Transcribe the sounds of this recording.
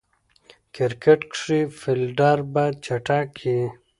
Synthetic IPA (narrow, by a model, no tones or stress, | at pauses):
kiɾkeʈkʂifilɖaɾbat͡ɕaʈakʰi